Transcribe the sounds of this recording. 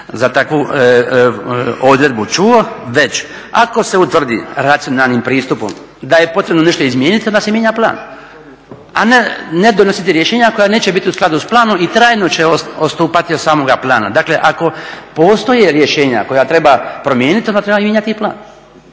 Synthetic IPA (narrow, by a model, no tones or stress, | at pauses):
zat̪akʋu | o̞d̪ɾe̞d̪̚but͡ʃuoʋe̞t͡ɕ | a̰ko̞se̞ut̪ʋr̩d̪ḭɾat̪sio̞nalnimpɾiːst̪upo̰m | d̪aje̞po̞t̪ɾebno̞ne̞ʃt̪oizmjeːnit̪iond̪asemjeɲaplˠa̰ːn | a̰nene̞d̪onosit̪iɾje̞ʃeːɲako̞jane̞ːt͡ɕebit̪iusklad̪usplˠaːno̞mit̪ɾaːjnot͡ɕeoost̪uːpat̪iod̪saːmo̞ɡaplˠaːna̰d̪akle̞ʔako̞po̞ːst̪o̞jeɾje̞ʃe̞ːɲa̰ko̞jat̪ɾe̞bapɾo̞mjeːnit̪iond̪at̪ɾe̞bamjeɲat̪iplˠa̰ːn